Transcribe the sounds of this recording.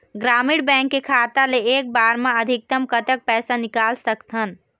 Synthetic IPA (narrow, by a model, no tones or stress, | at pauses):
ɡɾamiɽbɛ̃ŋkːekʰat̪aleek̚baɾmeəd̪ʱik̚t̪əmkət̪ək̚pɛːsanikalsəkt̪ʰən